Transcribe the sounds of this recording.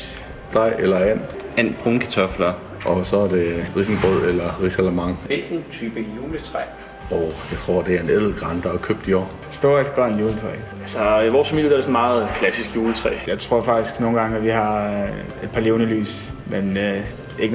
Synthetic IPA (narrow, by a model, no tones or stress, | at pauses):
d̥ɑɪ̰elɐæn̰ænb̥ʁɔŋkʰæt͡sʰɒflɐ | ʔɒ̽sɒ̽æɐd̥e̝ʁisn̩b̥ʁoð̰ˠelɐʁisælæmɑ̈ŋ̰ʋelɡ̥n̩t͡sʰyːb̥əjuːlət͡sʰʁɛ | ɒʊjɑ̈ɪt͡sʰʁo̝ɐ̰d̥e̝æɐeneð̰ˠl̩ɡ̥ʁɑnd̥ɐækʰøb̥̚d̥iɒ̰ː | sd̥o̝ɐ̰̥ɡ̥ɒɐenjuːlət͡sʰʁɛ̰ː | ælsɒiʋɒːsfæmið̰əd̥æɐd̥esɔ̽nmɑ̈ːð̩ˠkʰlæsisɡ̥juːlət͡sʰʁɛ̰ːjɑ̈ɪt͡sʰʁo̝ɐ̰fɑ̈ɡ̥d̥isɡ̥no̝ːnɡɑ̈ŋəæʋiɦɑ̈ | e̝d̥̚pʰɑ̈le̝ʊnəly̰ːsmen | e̝ɡə